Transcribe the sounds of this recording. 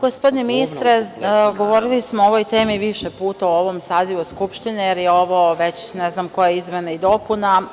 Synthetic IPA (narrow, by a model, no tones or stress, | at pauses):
ɡ̥ospo̞d̪ineminist̪ɾeɡo̞ʋo̞ɾilismooʋojt̪e̞ːmiʋiʃepuːt̪auo̞ʋomsaːziʋuskupʃt̪inejeɾjeo̞ʋo̞ʋe̞t͡ɕneznamko̞jeizmenaid̪o̞puna